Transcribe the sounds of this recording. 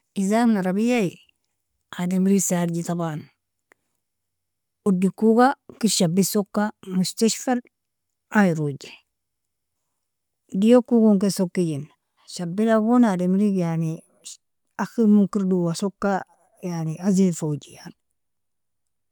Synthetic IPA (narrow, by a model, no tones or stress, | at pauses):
izamnaɾabijai | ademɾisaːɾd͡ʒitaban | udːikuɡakiʃabːisokːamust̪aʃfal | aiɾud͡ʒe | dijokukoŋkesokːiɟin | ʃabːilaɡonademɾikjani | aximukiɾduwasokːa | janiazefowd͡ʒijan